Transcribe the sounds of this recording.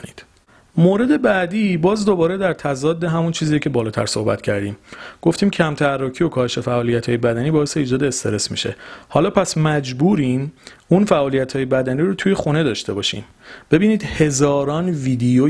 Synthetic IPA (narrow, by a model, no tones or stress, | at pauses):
id̪̥ | moːɾe̞d̪e̞bæʔd̪iːbɒːzd̪obɒːɾed̪æɾt̪ʰæzɒːd̪ːeɦæmunt͡ʃʰiːzijecʰe̞bɒːlɒːt̪ʰæ̰ɾso̞̰hbæ̰t̪ʰcʰæɾd̪iːmɡ̥o̞ft̪iːmcʰæmt̪ʰærːɒːcʰio̞kʰɒːheʃe̞fæʔɒːlijæt̪ʰɒːjebæd̪æniːbɒːese̞iːd͡ʒɒːd̪eːst̪e̞ɾe̞smḭʃe̞̰hɒːlɒːpʰæsmæd͡ʒbuːɾiːnunfæʔɒːlijæt̪ʰhɒːje̞bæd̪æniːɾut̪ʰuːje̞xune̞d̪ɒːʃt̪e̞bɒːʃḭːm | b̥e̞biːniːd̪̥he̞zɒːɾɒːnviːd̪ejo